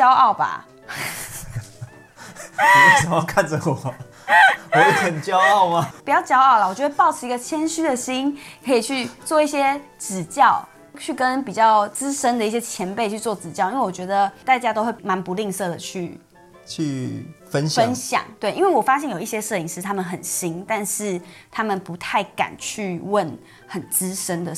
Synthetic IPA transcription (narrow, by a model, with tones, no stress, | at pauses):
t͡ɕjɑ˥ʊɑ˥˩ʊba̰˨˩˨ | t͡s̩˨˩ɑ˥˧kʰa˥˨nd͡ʒə˩wɔ˨˩˦ | ɔ˧˦jxə˨˩nt͡ɕjɑ˦ʊɑ˥˩ʊma˨pi˨˩t͡ɕjɑ˥˩ʊt͡ɕjɑ˥ʊɑ˥˩ʊla˨˩wɔ˨˩jo˥˧˥wpɑ˥˩ʊʈ͡ʂʰɻ̩˥˩i˧˥ɡə˧t͡ɕʰjɛ˥nɕy˥d̪ə˨ɕi˥nkʰə˧˥i˨˩t͡ɕʰy˥˧t͡swɔ˥˧i˥˩ɕjɛ˥t͡sɹ̩˨˩t͡ɕjɑ˥˩ʊ | t͡ɕʰy˥˩kə˦npi˨˩t͡ɕjɑ˥˩ʊt͡sɹ̩˥ʂə˥nd̪ə˨˦i˩ɕ̬jɛ˥t͡ɕʰjɛ˧˥npe˥˧ɪt͡ɕʰy˥˧t͡swɔ˥˩t͡sɹ̩˨˩t͡ɕjɑ˥˩ʊi˥nwe˥˩˨wo˨˩t͡ɕɥɛ˧˥d̪ə˨t̪a˥˩ɪt͡ɕja˥t̪o˥ʊxwe˥˩ɪma˧˥npu˧˦li˥˧ŋsɤ˥˩d̪ə˩t͡ɕʰy˥˧ | t͡ɕʰy˥˨˩fə˦nɕə˦nɕjɑ̰˨˩˦ŋt̪we˥˩ɪʔi˦nwe˥˩ɪwɔ˨˩fa˥ɕ̬jɛ˥˩njo˨˩i˥˩ɕjɛ˦˥ʂɤ˥˩i˨˩ŋʂɻ̩˥˩t̪ʰa˥mə˨nxə˨˩nɕi˦˥ŋt̪a˥˧nʂɻ̩˥˩t̪ʰa˥mə˨npu˧˥t̪ʰa˥˩ɪka̰˨˩nt͡ɕʰy˥˧wə˥˨˩n | xə˨˩nt͡sɹ̩˥ʂə˥nd̪ə˨˩